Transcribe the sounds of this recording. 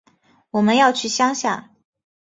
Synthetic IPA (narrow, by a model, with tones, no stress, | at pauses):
wɔ˨˩mə˦njɑ˥˧ʊt͡ɕʰy˥˩ɕjɑ˥ŋɕjɑ̰˥˩ŋ